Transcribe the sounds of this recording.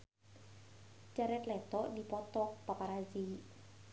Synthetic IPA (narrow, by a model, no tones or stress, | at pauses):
t͡ʃaɾɛt̪lɛt̪ɔʔdipɔt̪ɔk̚papaɾazi